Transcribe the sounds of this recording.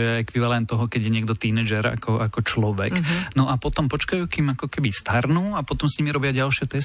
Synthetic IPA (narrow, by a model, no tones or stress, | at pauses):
jɛɛkʋiʋalɛnt̪ːɔɦɔkɛɟjɛɲɪɛɡd̪ɔt̪inɛd͡ʒɛɾa̰kʰɔʔakɔt͡ʃlɔʋɛknɔʔapɔt̪ɔmpɔt͡ʃkajuːkiːmakɔkɛbist̪aɾnuːapɔt̪ɔmsɲimiɾɔbɪaɟalʃɪɛt̪ɛs